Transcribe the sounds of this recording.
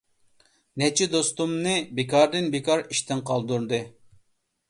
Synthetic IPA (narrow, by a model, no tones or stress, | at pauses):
nɛt͡ʃʰid̪ost̪umnɨbekʰɑɾd̪ɨnbekʰɑɾiʃt̪ɪŋqʰɑlˠd̪uɾd̪ɨ